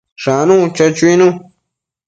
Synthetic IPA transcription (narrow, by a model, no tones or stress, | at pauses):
ʂanũt͡ʃat͡ʃuinũ